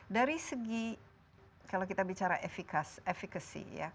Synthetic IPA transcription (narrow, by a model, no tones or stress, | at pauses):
daɾisəɡi | kalawkit̪abit͡ʃaɾaʔefikasefikasḭja̰